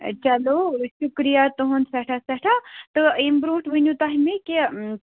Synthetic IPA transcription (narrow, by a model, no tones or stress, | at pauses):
t͡ʃɐloʃukɾijat̪uɦunsɐʈʰasɐʈʰat̪ɨembɾuːʈʰʋɨnjũt̪aɦimeki